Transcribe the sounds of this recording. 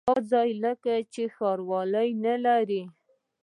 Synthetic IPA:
ɑzɑjləkat͡ʃexɑɾwɑləjnalaɾi

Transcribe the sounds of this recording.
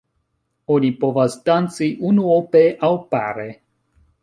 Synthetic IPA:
onipo̞vasdant͡siʔunuopeʔawpa̰ɾe

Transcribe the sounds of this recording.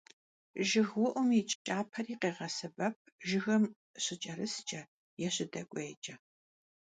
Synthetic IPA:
ʒɪɣwʊʔʷʊmit͡ʃʼt͡ʃʼaːpʰɐriːqeːʁɐsɨbɐp̚ʰʒɪɣɐm | ɕɪt͡ʃʼɐɾɨst͡ʃʼɐ | jɛɕɪdɐkʷʼeːt͡ʃʼɐ

